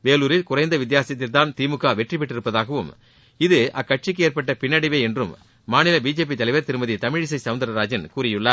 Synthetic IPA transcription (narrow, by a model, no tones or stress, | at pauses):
ʋeːluːɾɪlkʊrɐɪnd̪ɐʋɪd̪jaːsɪjɐt̪ːɪlt̪aːnt̪iːmɯkːaːʋɛʈrɪpːɛʈːɪɾɯpːɐðaːɣɐʋɯm | ɪðɯʔɐkːɐʈ̚t͡ʃɪk̬ːɯeːɾpɐʈːɐpɪnːɐɽɪʋeːɛndrɯmː | aːnɪlɐbiːd͡ʒeːp̬it̪ːɐlɐɪʋɐɾt̪ɪɾɯmɐðit̪ɐmɪɻɪs̬ɐɪsɐʋɐnd̪ɐɾɐɾaːd͡ʒɐnkuːrɪjɯɭːɐ